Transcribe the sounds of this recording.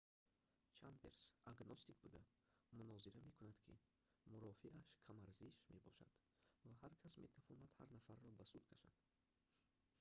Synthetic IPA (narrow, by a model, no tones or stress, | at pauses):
t͡ʃʰanbe̞ɾsaɡnɔst̪ikbud̪a | munɔziɾame̞kʰunad̪kʰḭ | muɾɔfiʔaʃkʰamaɾziʃme̞bɔ̰ʃa̰d̪̥ | vahaɾkʰasme̞t̪ʰavɔnad̪ha̰ɾnafaɾːɔbasud̪kʰaʃa̰d̪̥